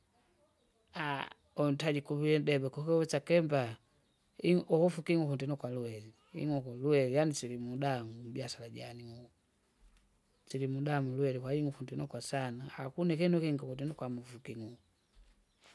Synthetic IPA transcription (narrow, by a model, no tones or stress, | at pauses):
a | ɔn̩taɟikuβiɛdɛbɛkɔkɛɛt͡ʃakɛmba | iɔkufukiŋufundɛnɔkwaluɛli | ḭŋɔkɔluɛlijanisilimudamubiasalaɟaniŋu | silimudamuluɛlikwaiŋufundɛnɔkwasanaakunɛkɛnukɛŋɡakudinɔkwamufukiŋu